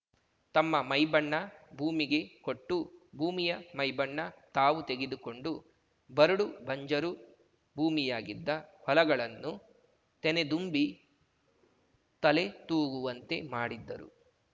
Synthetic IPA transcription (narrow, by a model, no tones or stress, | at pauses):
t̪ɐmːɐmɐjbɐɳːɐbʱuːmiɡe̞ko̞ʈːubʱuːmijɐmɐjbɐɳːɐt̪aːʋut̪e̞ɡe̞d̪uko̞ɳɖu | bɐɾuɽubɐɲd͡ʒɐɾu | bʱuːmijaːɡid̪ːɐhɔlɐɡɐɭɐnːu | t̪ɛne̞d̪umbi | t̪ɐle̞t̪uːɡuʋɐnt̪e̞maːɽid̪ːɐ̰ɾṵ